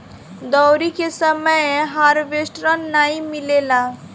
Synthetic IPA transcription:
d̪ɔwɾikesəməjɦaɾʋeʃʈɾənːaimɪlela

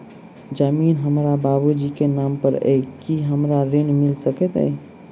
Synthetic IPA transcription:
d͡ʒəminɦəmɾababud͡ʒikenampəɾə̰jkiɦəmɾaɾinmilsəkɛt̪ə̰j

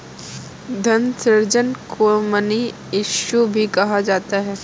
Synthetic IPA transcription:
d̪ʱɐnsɪɾd͡ʒənkuməni | ɪʃubʱikɐɦad͡ʒaːt̪aɦɛː

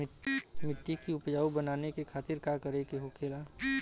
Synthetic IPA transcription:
mɪʈːikiʊpd͡ʒaːubənaːnekekʰaːt̪ɪɾkakəɾekeɦokeːla

